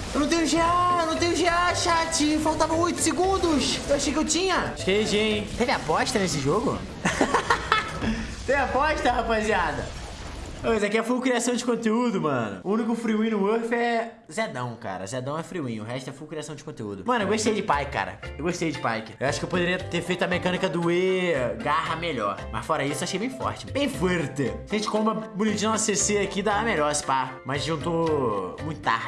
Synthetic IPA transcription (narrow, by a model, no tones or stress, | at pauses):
ewnɐ̃w̃t̪ẽɲʊʒeanɐ̃w̃t̪ẽɲʊʒeaʃat͡ʃɪfawt̪avɐojt̪ʊ̥sɪɡũnd̪ʊsewaʃejkɪewt͡ʃĩɲɐʃkeeʒet̪evɪapɔʃt̪ɐnesɪʒoɡʊ̰ | t̪ẽvapɔʃt̪ɐhapaziad̪ɐ̰ | pozakiɛfuwkɾiasɐ̃w̃d͡ʒɪkõt̪eud̪ʊmɐ̃nʊ̰ũnik̬ʊfɾiwĩʊoɾfɛ | zed̪ɐ̃w̃ka̰ɾɐ̰zɛd̪ɐ̃w̃ɛfɾiwĩʊɦɛʃt̪ʊɛfuwkɾiasɐ̃w̃d͡ʒɪkõt̪eṵd̪ʊmɐ̃nʊewɡoʃt̪ejd͡ʒɪpajkɪkːa̰ɾɐ̰ewɡoʃt̪ejd͡ʒɪpajkɪewaʃʊ̥kewpod̪eɾiɐt̪eɾfejt̪ʊameɾikɐ̃nikɐd̪ʊeɡaɦɐmeʎɔɾmɐsfɔɾɐisʊewaʃejbẽj̃fɔ̰ɾt͡ʃɪbẽj̃feɾt̪eaɐʒẽt͡ʃɪ̥kõmɐbʊnit͡ʃĩɐseseakid̪aɐmeʎɔɾsɪ̥pamɐznũt̪omũjt̪ʊt̪a̰ɾ